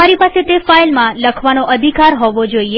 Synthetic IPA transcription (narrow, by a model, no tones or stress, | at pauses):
aɾipaset̪efailmãləkʰʋanoʔəd̪ʱikaɾɦɔʋod͡ʒoie